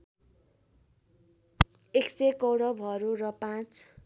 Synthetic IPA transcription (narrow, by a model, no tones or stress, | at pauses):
eksekowɽʌbʱʌɾuɾʌpãt͡s